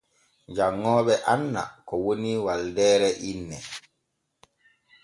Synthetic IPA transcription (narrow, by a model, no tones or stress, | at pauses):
d͡ʒaŋːɔːɓɛʔanːa̰kɔwoniwaldɛːɾɛʔinːɛ